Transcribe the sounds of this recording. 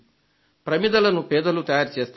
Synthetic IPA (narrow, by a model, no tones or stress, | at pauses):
pɾɐmid̪ɐlɐnupɛːd̪ɐlut̪ɐjaːɾt͡ʃeːst̪